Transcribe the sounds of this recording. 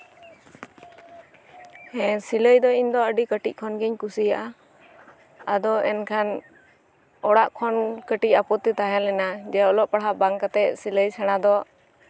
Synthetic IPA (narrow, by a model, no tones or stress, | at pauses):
hɛ̃siləjd̪ɔind̪ɔəɖikəʈiʔ̚kʰɔnɡɛɲkusijaʔa | ad̪ɔɛnkʰan | ɔɽaʔkʰɔnkəʈiʔapɔt̪ɛt̪aɦɛ̃lɛnad͡ʒɛaɔlɔʔpaɽɦabaŋkat̪ɛʔsiləjsɛɽ̃ad̪ɔ